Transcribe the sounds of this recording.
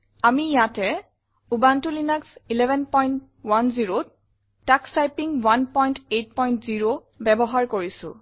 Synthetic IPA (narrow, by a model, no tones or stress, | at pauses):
amijatɛ | ubantulinaksilɛbɛnpɔjnt | wanziɹo | takstajpiŋwanpɔjntet̚pɔjntziɹo | bɛbɔɦaɹkoɹisʊ̰̃